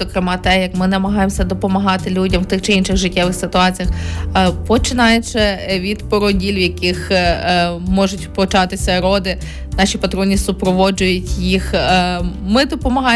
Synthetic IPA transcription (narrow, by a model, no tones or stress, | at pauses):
ɔkɾɪmɑt̪ɛjɐkmɪnɐmɐɦɑjemsʲɐd̪ɔpɔmɐɦɑt̪ɪlʲudʲɐmwt̪ɪxt͡ʃɪinʃɪɣʒɪtʲːɛʋɪxsɪt̪ʊɑt͡sʲijɐxpɔt͡ʃɪnɑjʊt͡ʃɪʋʲid̪pɔɾɔdʲilʲwjɐkɪx | mɔʒʊtʲpɔt͡ʃɑt̪ɪsʲɐɾɔd̪ɪ | nɑʃʲipɐt̪ɾɔnʲisʊpɾɔʋɔd͡ʒʊjʊtʲjix | mɪd̪ɔpɔmɐɦɑ